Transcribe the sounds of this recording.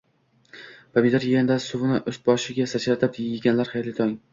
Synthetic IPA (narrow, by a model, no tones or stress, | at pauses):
pʰamid̪aɾjɪɡʲand̪asʊvɪnɪʔɵs̚bɒʃɪɡʲasat͡ʃɾat̪ʰɪpɪɪɡʲanlaɾχajɾlɪt̪ʰɒŋ